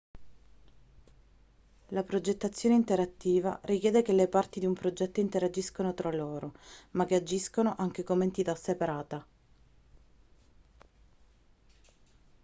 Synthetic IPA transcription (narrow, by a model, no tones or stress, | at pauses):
lapɾod͡ʒet̪ːat̪sːjoːneint̪eɾat̪ːiːva̰ɾikjɛːd̪ekelepart̪id̪iumpɾod͡ʒɛt̪ːoint̪eɾad͡ʒiskonot̪ɾaloːɾomak̟ːead͡ʒiskonoʔaŋk̟ekoment̪it̪asepaɾaːt̪a